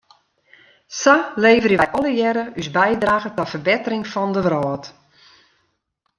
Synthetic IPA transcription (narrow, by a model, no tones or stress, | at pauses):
saleːvərəʋɛjʔɔləjɛɾəysbɛjdraːɣətafərbɪtərɪŋfɔndəʋrɔːt